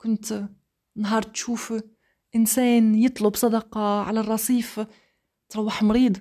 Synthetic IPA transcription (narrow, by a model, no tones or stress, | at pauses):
kʊnt̪ | nɦɑːɾˤt̪ʃuːf | ʔɪnseːnjɨt̪ˤlʊbsˤɑd̪ɑqɑʕalarˤːɑsˤiːf | t̪ɾˤɑwːaħmɾiːd̪